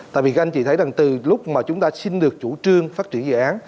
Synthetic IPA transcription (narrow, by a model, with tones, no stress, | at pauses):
t̪a̰ː˧˨jvi˨˩˧ŋt͡ɕḭ˧˩t̪ʰə˨˦jza˨˩ŋt̪ɨ˨˩lʊ˦˥k͡p̚maː˨˩t͡ɕʊ˨˦ŋ͡mt̪aː˧si˧nɗɨ˨˩ək̚t͡ɕu˧˩t͡ɕɨ˧əŋfaː˦˥t̚t͡ɕi˧˩ənzɨ̰˧˨ʔaː˨˦n